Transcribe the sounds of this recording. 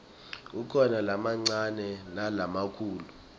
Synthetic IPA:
ukʰɔnalamaŋ͡ǀanɛnalamakʰuːlu

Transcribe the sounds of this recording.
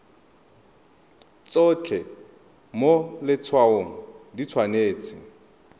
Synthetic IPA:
t͡sʼot͡ɬʰɛ | molɪt͡sʰwaoŋ̩dit͡sʰwaneːt͡sʼɪ

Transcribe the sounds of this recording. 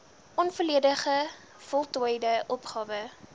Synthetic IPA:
ʔɔnfərliədəχə | fɔlˠtuəjdəʔɔpχɑːvə

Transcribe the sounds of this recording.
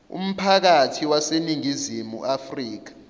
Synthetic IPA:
ṵm̩pʰak̬atʰiwaseniŋizimṵʔafriːk̬ḁ

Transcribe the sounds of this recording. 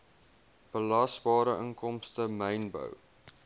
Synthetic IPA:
b̥əlɑsbɑːɾəʔəŋkɔmstəməjnbə̰w

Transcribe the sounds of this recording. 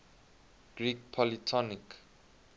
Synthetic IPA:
ɡ̥ɹik̚pʰɔlitʰɔnik

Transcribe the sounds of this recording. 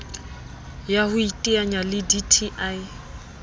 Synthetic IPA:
jahʊitʼiaɲalɪditʰiʔaɪ

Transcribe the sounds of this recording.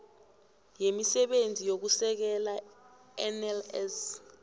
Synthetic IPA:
jemisɛɓend͡zʱijok̬usɛk̬ɛla | ɛnɛlɛs

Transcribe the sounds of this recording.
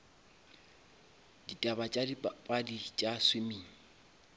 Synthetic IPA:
ditʼabat͡ʃʼadipʼadit͡ʃʼaswɪmiːŋ̩

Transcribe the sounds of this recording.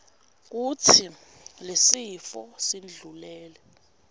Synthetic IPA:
k̬ut͡sʰi | lesifɔsind͡ɮʱulɛːlɛ

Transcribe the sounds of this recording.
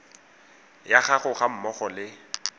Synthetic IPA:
jaχaχʊχam̩mɔχɔlɪ

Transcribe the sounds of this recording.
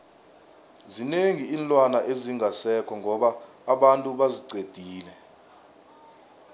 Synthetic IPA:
zineŋiiːnlʼwanaʔeziŋʱasɛkʰɔŋʱɔɓaː | ɓantʼuɓaziǀed̥ʱiːlɛ

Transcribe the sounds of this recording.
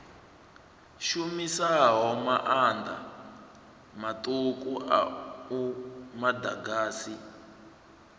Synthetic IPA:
ʃumisaɦɔmaʔand̪a̰ | matʼukʼuʔa̰umadaɡaːsi

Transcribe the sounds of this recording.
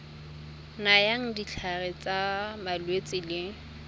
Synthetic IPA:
najaŋ̩dit͡ɬʰarɪt͡sʼamalwet͡sʼɪlɪ

